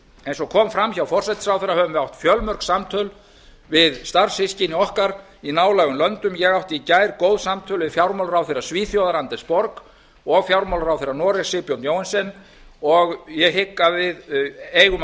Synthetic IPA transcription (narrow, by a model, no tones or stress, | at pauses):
ejnsɔkʰɔːmfɾamːçawfɔr̥sɛjt̪sawfθɛɾːahœvʏmvɪawht̪fjœlmœr̥ksamt̪ʰœl | vɪðst̪arshɪscɪnɪɔhkaɾ | inaːwlaɣʏmlœnt̪ʏmjɛɣawht̪icaːjɾkoːwðsamt̪ʰœlvɪðfjawɾmaɔwlɾawθerasviːθjowðaɾant̪ɛ̥spɔɾk | ɔɣfjawɾmawlɾawθeɾanɔɾɛsɪpjownjoːwansɛn | ɔɣjɛɦɪkːavɪðeːjɣʏm